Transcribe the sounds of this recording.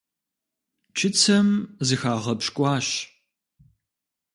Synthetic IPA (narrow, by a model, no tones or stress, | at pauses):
t͡ʃʰɪt͡sʰɐmzɨxaːʁɐpɕkʷʼɑːɕ